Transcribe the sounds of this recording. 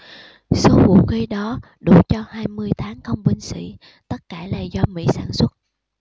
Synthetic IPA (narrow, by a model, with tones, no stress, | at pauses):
so˨˦vṵ˨˩k̚ki˨˧˦ɗɔ˨˦ | ɗu˧˩t͡ɕɔ˧haː˧jmɨ˧əjt̪ʰaː˨˦ŋxə˧wŋ͡mɓï˧ŋ̟sḭ˧˥ | t̪ə˦˥t̚kaː˧˩la̰ː˨˩zɔ˧mḭ˧˥saː˧˦nswə˦˥t̚